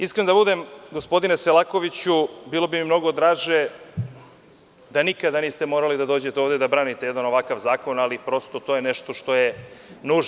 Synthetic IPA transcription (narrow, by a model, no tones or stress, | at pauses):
iskɾenod̪abud̪e̞mɡo̞spo̞d̪ineselˠako̞ʋit͡ɕubiːlˠo̞bimimno̞ɡo̞d̪ɾaːʒe̞ | d̪anikad̪aniːst̪e̞mo̞ːɾalid̪ad̪o̞ːd͡ʑe̞t̪eoʋd̪ed̪abɾaːnit̪ejed̪ano̞ʋakaʋzaːko̞nalipɾo̞st̪ot̪ojeneʃt̪o̞ʃt̪o̞jenuːʒ